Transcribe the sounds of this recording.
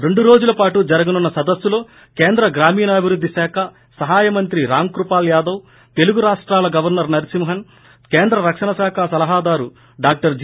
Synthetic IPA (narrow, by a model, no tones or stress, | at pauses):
ɾe̞ɳɖuɾo̞ːd͡ʒulɐpaːʈud͡ʒɐɾɐɡɐnunːɐsɐd̪ɐsːulo̞ː | ke̞ːnd̪ɾɐɡɾaːmiːnɐːbʱiɾud̪ʱːisɛːkʰɐ | sɐɦaːjɐmɐnt̪ɾiɾaːmkɾupaːljaːd̪ɐw | t̪e̞luɡuɾaːʂʈɾaːlɐɡɐʋɐɾnɐɾnɐɾisimɦɐn | keːnd̪ɾɐɾɐkʂɐnɐsaːkʰasɐlɐɦaːd̪aːɾu | ɖaːk̚ʈɐɾd͡ʒ